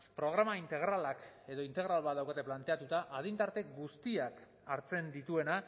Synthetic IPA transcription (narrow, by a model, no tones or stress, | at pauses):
pɾo̞ɣ̞ɾamaint̪e̞ɣ̞ɾalake̞ðo̞int̪e̞ɣɾalβat̪ðawkat̪e̞plant̪e̞at̪ut̪aʔað̞int̪aɾt̪e̞ɡust̪iak | aɾt͡se̞nd̪it̪ue̞na